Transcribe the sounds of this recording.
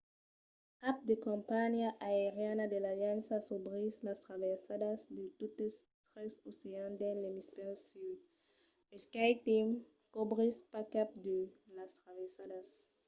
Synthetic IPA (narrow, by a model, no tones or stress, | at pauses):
kap̚d̪ekõmpanjaʔaeʁjanad̪elalãnsasobʁislast̪ʁavesadasd̪et̪ut̪est̪ʁesoseãnd̪ẽlemispɛʁsi | eskajt̪im | kobʁispakap̚d̪elast̪ɾavesadas